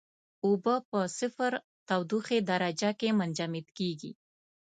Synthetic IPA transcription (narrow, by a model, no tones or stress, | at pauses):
obəpəsɪfɾ | t̪awd̪uxed̪aɾad͡ʒakemand͡ʒamɪt̪keɡḭ